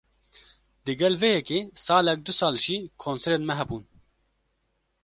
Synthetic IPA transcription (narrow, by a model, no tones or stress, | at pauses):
d̪ɨɡɛlvejɛkeːsɑːlɛk̚d̪usɑːlʒikʰoːnseɾenmɛɦɛbuːn